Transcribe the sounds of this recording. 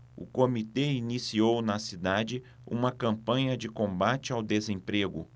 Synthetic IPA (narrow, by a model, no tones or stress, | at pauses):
ʊ̰komit̪einisiownɐsid̪ad͡ʒɪ | ṵ̃mɐkɐ̃mpɐ̃ɲɐd͡ʒɪkõmbat͡ʃɪawd̪ezẽpɾeɡʊ